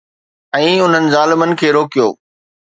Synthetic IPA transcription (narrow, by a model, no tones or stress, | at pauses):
ɛ̃ːʊn̤ənɪ̆zaːlɪmənɪ̆kʰeːɾoːkijo̰ː